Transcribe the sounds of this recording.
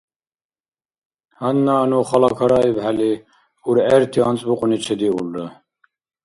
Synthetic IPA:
hanːanuχɑlɑkʰɑɾɑibhæli | uɾɛɾt̪ʰiɑnt͡sʼbuqʼunit͡ʃʰɛd̪iulːə

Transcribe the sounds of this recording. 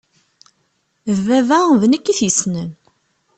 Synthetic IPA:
vævævnəkːiθjəsnəm

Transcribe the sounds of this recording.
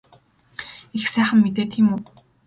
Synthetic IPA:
ixsæːχə̆mːet̪eːt̪ʰiːmuː

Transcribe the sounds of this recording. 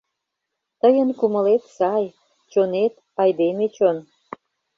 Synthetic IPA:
t̪əjənkumə̆let̪sɑj | t͡ɕonet̪ | ɑjd̪emet͡ɕon

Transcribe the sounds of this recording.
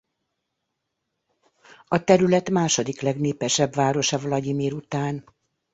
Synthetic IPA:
ɒt̪ɛɾylɛt̪maːʃo̞d̪iklɛɡneːpɛʃɛbvaːɾo̞ʃɒvɒlɒɟimeːɾut̪aːn

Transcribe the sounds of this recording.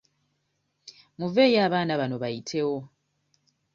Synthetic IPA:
muve̞ːjaːβaːnaβano̞βajitʰe̞wo̞

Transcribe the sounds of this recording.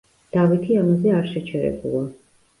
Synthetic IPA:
d̪̥avit̪ʰiamazɛaɾʃɛt͡ʃʰɛɾɛ̰bṵlˠa

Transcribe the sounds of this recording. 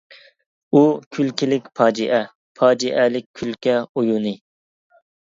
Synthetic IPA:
ukʲʰylkʲilɪkʲpʰɑːd͡ʒiʔɛ | pʰɑːd͡ʒiʔɛlɪk̚ʲʰːylkʲɛojunɨ

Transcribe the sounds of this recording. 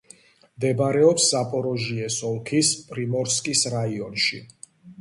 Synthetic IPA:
md̪ɛbɾɛɔpsːapʼɔɾɔʒiɛsɔlˠkʰispʼɾimɔɾskʼisɾaiɔnʃḭ

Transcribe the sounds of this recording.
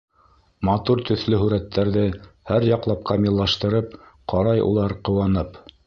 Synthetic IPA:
mɑt̪uɾt̪ɵ̆θlɵɦʉɾæt̪ʰːæɾðɘhæɾjɑqlˠɑp̚qʰɑmʲilˠːɑʃt̪ɤ̆ɾɤpqʰɑɾɑjʔṵlˠɑɾqɤ̆wɑnɤp

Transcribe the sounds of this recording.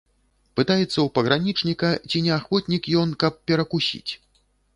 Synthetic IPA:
pɨt̪ajɛt̪sːɐwpɐɣɾanʲit͡ʂnʲikɐt͡sʲinʲɛaxvɔt̪ʲnʲikjɔnkɐp̚ːʲɛɾɐkusʲḭt͡sʲ

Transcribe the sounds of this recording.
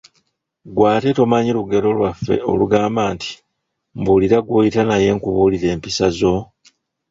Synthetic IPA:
ɡwaːteto̞maɲiluɡe̞ɾo̞lwafːe̞̰o̞̰luɡaːmbaːnti̥ | mbuːliɾaɡwojitanaje̞ːŋkuβuːliɾe̞ːmpisazo̞

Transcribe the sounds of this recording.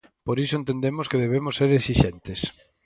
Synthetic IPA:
poɾisoẽnt̪end̪emoskeðeβ̞emosːeɾesiʃent̪es

